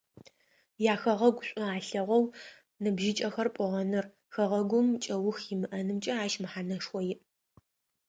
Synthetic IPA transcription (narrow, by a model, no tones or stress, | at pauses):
jaːxɐʁɐɡʷɕʷʼʊaːɬɐʁʷɔw | nɨbʒɪt͡ʃʼɐxɐrpʷʼɔʁɐnɨr | xɐʁɐɡʷʊmt͡ʃʼɐwʊxjɪmɨʔɐnɨmt͡ʃʼɐaːʃmɨħanɐʂwʷɔjɪʔ